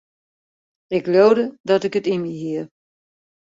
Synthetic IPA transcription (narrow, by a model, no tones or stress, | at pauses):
ɪkloːdədɔtɪkətimiɦiə